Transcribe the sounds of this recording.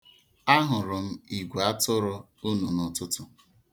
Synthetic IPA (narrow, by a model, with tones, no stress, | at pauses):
a˦ɦʊ˨ɾʊ˨m̩˦i˨ɡʷa˦tʊ˦ɾʊ˦ | u˦nu˨nʊ˨tʊ˦tʊ˨